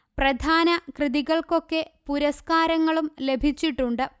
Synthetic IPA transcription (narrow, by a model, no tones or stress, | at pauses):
prɐd̪ʱaːnɐkrɨðiɣɐɭko̞kːe̞puɾɐskaːɾɐŋːɐɭumle̞bʱit͡ɕːiʈːuɳɖɨ